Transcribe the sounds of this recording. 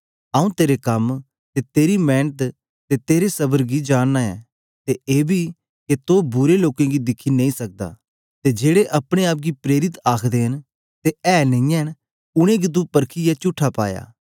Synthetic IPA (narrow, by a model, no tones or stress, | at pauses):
aːũt̪eːɾekɐm | t̪et̪eːɾimɛːnət̪ | t̪et̪eːɾesɐbəɾɡid͡ʒaːnːaɛ̰ː | t̪eeːbʱi | ket̪obʊɾeloːkẽɡid̪ɪkʰːinẽːĩsɐk̚d̪a̰ː | t̪ed͡ʒeːɽeʔɐpɽ̃eaːp̬̚ɡipɾeːɾɪt̪aːkʰd̪eːɦən | t̪eɛːnɐĩjɛn | ʊɽ̃ẽɡit̪̬ũpɐɾkʰijɛt͡ʃʊʈʰːapa̰ːja̰ː